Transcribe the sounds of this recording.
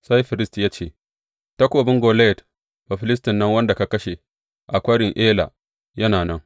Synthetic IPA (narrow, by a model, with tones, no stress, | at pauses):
sa˦jɸɪ˨ɾɪ˦stjaː˦t͡ʃeː˦˨ | tɐ˦kʷoː˨bɪ˦ŋɡʷoː˨le˦˨t | ba˨ɸɪ˦lɪ˦s̬tɪ˨nːɐ˦ŋwɐ˦nda˨ka˨kɐ˦ʃe˨ | ʔa˨kʷɐ˦ɽɪ˨ŋʔeː˦la̰˨ | jɐ˦naː˨nɐ˦ŋ